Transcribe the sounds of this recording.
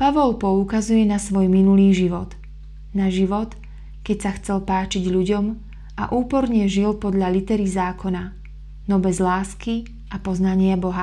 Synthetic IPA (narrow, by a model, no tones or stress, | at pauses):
paʋɔlpɔukazujɛnasʋɔjminuliːʒiʋɔt̪ | naʒiʋɔt̪ | kɛcsaxt͡sɛlpaːt͡ʃiɟʎuɟɔm | ʔa̰ʔuːpɔɾɲɛʒilpɔd̪ʎalit̪ɛɾizaːkʰɔna | nɔbɛzlaːski | ʔapɔznaɲɪabɔɦa